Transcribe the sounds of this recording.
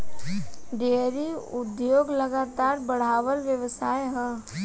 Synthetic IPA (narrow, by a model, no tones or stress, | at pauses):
ɖeːɾiʊd̪joːɡlɐɡaːt̪aːɾbəɽ̤aːʋəlʋjəʋsaːeɦɛ̃